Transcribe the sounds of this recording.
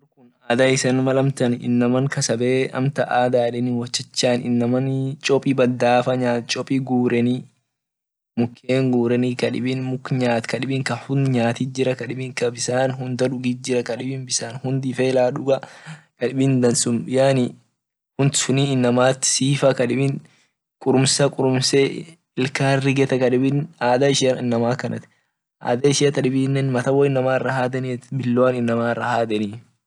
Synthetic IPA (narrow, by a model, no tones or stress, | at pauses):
kʊnaːd̪aːɪsɐnmɐlɐmt̪ɐnɪ̰nːɐmɐŋkɐsɐbeːʔɐ̰mt̪ɐʔaːd̪aːlɛnɪwɔt͡ʃːɛt͡ʃːaːnɪ̰nːɐmɐnt͡ʃʼɔpʼiːbɐd̪ːaːfɐɲaːt͡ʃʼɔpʼiɡuːɾɛniː | mʊkʰːeːŋɡuːɾɛniːkɐᶑɪ̰bɪnmʊkɲaːt̪kɐᶑɪbɪŋkɐhʊnɲaːt̪id͡ʒɪɾɐkɐᶑɪbɪŋkɐbɪsaːnhʊnd̪ɐᶑʊɡiːd͡ʒɪɾɐkɐᶑɪbɪnbɪsaːnhʊnd̪ɪfeːlaːᶑʊɡɐkɐᶑɪbɪnd̪ɐnsʊmɪjaːni | hʊnsʊniːɪnːɐmaːt̪ːɪ̥siːfɐkɐᶑɪbɪn | kʼʊɾʊmsɐkʼʊɾʊmse | ɪlkaːrːɪɡɛt̪ɐkɐᶑɪbɪnaːd̪aɪʃɐnɪnːɐmaːkɐnʔɐ̰t̪ɪ̥ | ʔa̰ːd̪ɐɪʃɪɐt̪ɐᶑɪbiːnːɛnmɐt̪ɐwɐɪnːɐmaːrːɐhaːd̪ɐnetbɪlːonɪnːɐmaːrːɐhaːd̪ɐniː